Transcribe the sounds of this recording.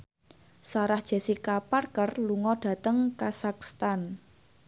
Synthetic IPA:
saɾahd̥ʒ̥a̤sikaparkərluŋɔɖ̥ä̤t̪əŋkasakst̪an

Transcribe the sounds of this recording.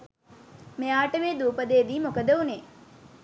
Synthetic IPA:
meaːʈəmeːd̪uːpəd̪eːd̪iːmokəd̪əune

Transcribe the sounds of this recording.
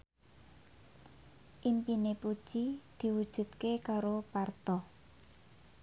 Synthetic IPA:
ʔimpinepu̥ʒ̥id̪̥i̤wud̥ʒ̥ṳt̪̚kekaɾopart̪ɔ

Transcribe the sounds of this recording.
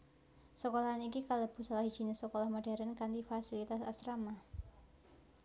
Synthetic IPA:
səkolaɦanikikalab̥ṳsalahɦi̥ʒ̥inesəkolahmod̥a̤ɾankant̪ifasilit̪asast̪ɾama

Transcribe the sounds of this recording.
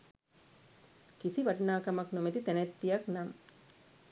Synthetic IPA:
kisiʋɐʈnaːkɐmɐknomet̪it̪ɛnɛt̪ːijɐknam

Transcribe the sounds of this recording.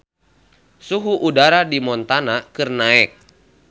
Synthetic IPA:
suɦuʔudaɾadimɔnt̪anakɨrnaɛk̚

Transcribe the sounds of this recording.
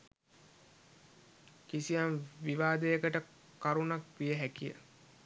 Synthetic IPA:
kisijanʋiʋaːd̪əjəkəʈə | kaɾunakʋijəɦækijə̰

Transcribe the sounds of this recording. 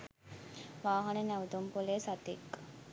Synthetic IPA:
ʋaːɦɐnənæʋəd̪umpoleːsat̪ekː

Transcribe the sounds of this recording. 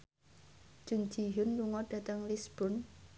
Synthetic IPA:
d͡ʒ̥ṳnd͡ʒiɦʊnluŋɔɖ̥a̤t̪əŋlisb̥ɔn

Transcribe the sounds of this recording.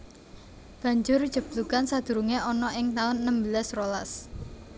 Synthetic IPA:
b̥a̤ɲd͡ʒʊɾd̥ʒ̥ə̤b̥̚lukansad̪̥ṳɾuŋeʔɔnɔʔɪŋt̪aʊnːəmbəlasrolas

